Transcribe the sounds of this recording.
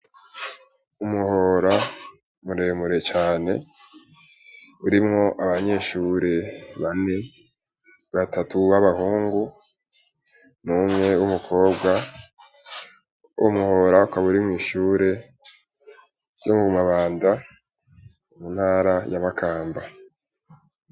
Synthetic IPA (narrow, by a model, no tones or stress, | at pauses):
umuho̞ɾa | muɾe̞ːmuɾe̞t͡ʃaːne̞ | uɾimŋo̞ʔaβaɲe̞ːʃuɾe̞βane̞ | βatʰatuβaβahuːŋɡu | numŋe̞wumukʰo̞ːbɡa | ṵmuho̞ɾaukaβuɾimŋiːʃuːɾe̞ | ɟ̥omuβumaβaːnda | munhaːɾajamakʰaːmba